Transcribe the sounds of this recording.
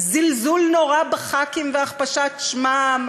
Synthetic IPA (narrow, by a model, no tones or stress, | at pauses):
zilzulnoʁabeχakimveaχpaʃatʃmam